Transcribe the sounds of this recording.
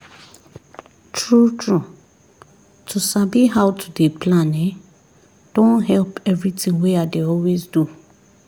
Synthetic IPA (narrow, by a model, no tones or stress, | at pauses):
tʰɹutʰɹu | tʰusabiɦawtʰudepʰlãnɛ | d̥õnɦɛlpɛvɹitĩŋweadeɔlwezdu